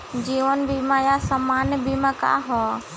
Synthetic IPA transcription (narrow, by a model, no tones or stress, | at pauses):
d͡ʒiːʋənbimãjasamaːnbimãka̰ːɦo